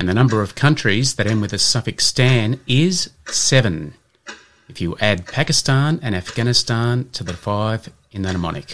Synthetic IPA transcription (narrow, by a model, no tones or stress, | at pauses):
ɨ̃nðɨnʌ̃mbə˞ʌv̥kʰʌ̃nt͡ʃɹ̥izðɨɾɨ̃nwɨðɨsʌfɨkstæ̃nɪz̥sɛvɨ̃n | ɨfjɨʔæd̚pʰækɨstɑ̃nɨ̃ñæfɡ̥æñɨstɑ̃ntʰəðɨfaɪv | ɨ̃nðɨnəmɑ̰ñɨ̰k